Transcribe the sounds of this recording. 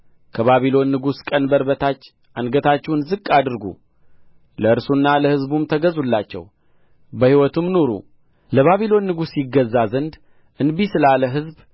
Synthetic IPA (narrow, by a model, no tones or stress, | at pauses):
kʰəβaβilo̞nːɨɡuskʼənbəɾbət̪ʰat͡ʃː | ʔanɡət̪ʰat͡ʃːɛhnzɨkʼːad̪ɨɾɡṵ | ləɨɾsunːaləhɨzbumt̪ʰəɡəzulːat͡ʃːɛ̰w | bəhiwɔt̪ʰɨmːnoɾṵ | ləβaβilo̞nːɨɡusjɪɡəzːazənd̪ | ʔɨnbisɨlaləɦɨzb